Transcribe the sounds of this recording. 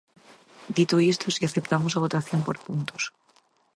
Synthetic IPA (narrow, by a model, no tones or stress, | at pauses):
d̪it̪oist̪osiaθe̞p̚t̪amosaβ̞o̞t̪aθjo̞mpoɾpunt̪os